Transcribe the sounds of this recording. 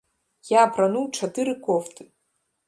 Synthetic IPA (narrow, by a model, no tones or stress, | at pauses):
japʰranuwʈ͡ʂʰadɨɾɨkʷʰʼoftʰɨ